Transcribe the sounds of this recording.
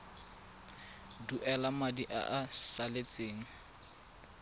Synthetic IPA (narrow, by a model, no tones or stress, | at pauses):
duʔɛlamadiʔa̰ʔasalet͡sʼeːŋ̩